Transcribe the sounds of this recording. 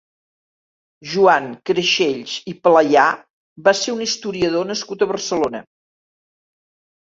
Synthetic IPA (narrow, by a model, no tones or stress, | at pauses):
ʒuaŋkɾeʃeʎzipləja | βaseɾunist̪uɾiəð̞onəskut̪əβərsəlonə